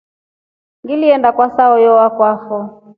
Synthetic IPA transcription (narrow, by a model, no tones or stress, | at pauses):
ŋɡiliɛndakwasaɔjɔwakwafɔ